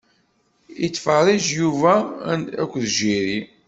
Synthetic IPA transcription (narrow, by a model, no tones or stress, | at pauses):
it͡sːfəɾˤiʒjuvææ̰kʷːðʒiɾi